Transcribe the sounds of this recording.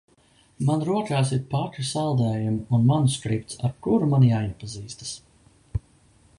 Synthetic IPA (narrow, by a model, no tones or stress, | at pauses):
manɾuɔkaːs̬iɾpat̪ɾisalˠd̪ɛːjumunmanuskɾip̚t̪saɾkuɾumanjaːjipaziːst̪ḁs